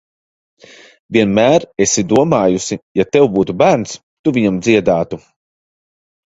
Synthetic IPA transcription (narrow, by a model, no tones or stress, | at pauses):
vʲiɛnmæːɾesid̪uɔmaːjusijat̪ɛwbuːt̪ubæːɾns | t̪uvʲiɲamd̪ziɛd̪aːt̪u